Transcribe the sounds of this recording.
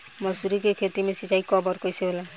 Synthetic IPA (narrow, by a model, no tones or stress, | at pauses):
mɔsuɾikekʰet̪imesiʈajkɔbɔɾkɔjsebola